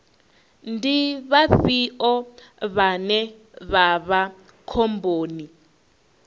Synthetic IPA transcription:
ndiβaɸiɔβanɛ | βaβa | kʰomboːni

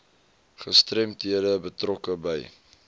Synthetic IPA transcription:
χəstrɛmtɦiədəbətrɔkəbəj

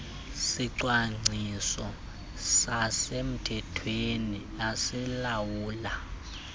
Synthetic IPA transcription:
siǀwaŋ͡ǀʱisɔ | sasem̩tʰɛtʰweni | asilawuːla

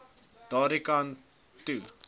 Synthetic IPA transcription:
d̥ɑːɾikan | tu

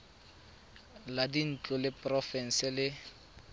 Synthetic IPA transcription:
ladin̩t͡ɬʼʊlɪpʼrɔfɛn̩sɪlɪ

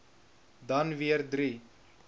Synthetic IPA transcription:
dɐnviəɾd̪ɾi

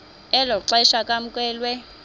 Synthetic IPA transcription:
ɛlɔǀaiʃakʼam̩kʼwɛːlwɛ

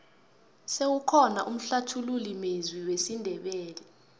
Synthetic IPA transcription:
sewukʰɔnaʔum̩ɬatʰululimezwiwesindʱɛɓɛːlɛ

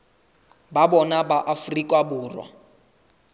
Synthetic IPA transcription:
babɔnabaʔafrikʼwabuːrwa̰

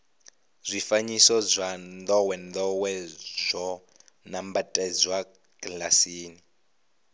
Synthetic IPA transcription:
zʷifaɲisɔzʷand̪ɔwɛnd̪ɔwɛzʷɔ | nambatʼɛd͡zwa | kʼlasiːni

